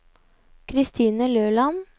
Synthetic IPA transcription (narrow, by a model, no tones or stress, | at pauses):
kʰɾɪst̪ʰiːnəløːlɑn